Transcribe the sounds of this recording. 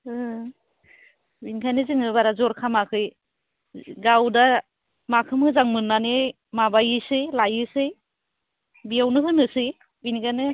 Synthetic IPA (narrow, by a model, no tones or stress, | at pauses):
ɯ | binkʰajnɯzɯŋɯbaɾazɔɾkʰamakʰɯj | ɡawda | makʰɯmɯzaŋmɯnːanɯ | mabajɯsɯjlajɯsɯj | bijawnɯɦɯnɯsɯj | binkʰajnɯ